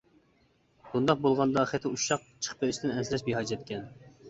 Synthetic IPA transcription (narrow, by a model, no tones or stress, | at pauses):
b̥und̪ɑq̚bolˠʁɑnd̪ɑχæt̪ʰɪuʃɑq̚t͡ʃʰə̥χpeɾɪʃt̪ɪnɛnsɪlɛʃbeɦɑːd͡ʒɛt̪̚kʲɛn